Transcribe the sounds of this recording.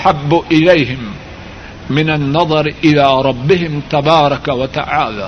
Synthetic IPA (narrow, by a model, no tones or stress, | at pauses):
ħabːʊʔɪlajɦɪmː | ɪnanːɑðˤɑɾʔɪlaːɾˤɑbːɪhɪmt̪abɑːɾˤɑkawat̪a̰ʕaːla̰ː